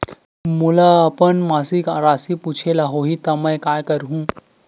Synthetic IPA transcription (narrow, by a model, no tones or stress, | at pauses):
mulaəpənmasikaɾasiput͡ʃʰelaɦoɦit̪aməjkajkəɾɦũ